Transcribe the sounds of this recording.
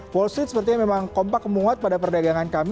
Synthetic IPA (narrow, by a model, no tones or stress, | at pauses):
wɔlst̪ɾiɪt̪səpərt̪iɲamemaŋkɔmpakːmuŋat̪̚padapərdaɡaŋankam